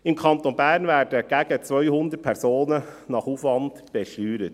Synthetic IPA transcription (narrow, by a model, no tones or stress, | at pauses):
ɪmkʰɑnt̪onbæːɾnʋæːɾdɛɡ̥æɡ̥ət͡sʋœʏhʊnd̪əɾ̚pʰæɾsoːnənɑχuːfʋɑnd̪b̥ɛʃlyːɾət̪